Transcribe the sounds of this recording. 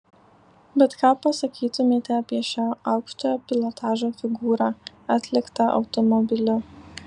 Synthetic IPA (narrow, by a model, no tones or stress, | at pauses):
bʲɛt̪kɑːpɐsɐkʲiːt̪ʊmʲeːt̪ʲɛɐpʲiɛʃʲaːɑʊkʃt̪oːjoːpʲɪlˠɔt̪ɑːʒoːfʲɪɡuːɾɑː | ɐt̪ʲlʲɪkt̪ɐʔɐ̰ʊt̪ɔmɔbʲɪlʲʊ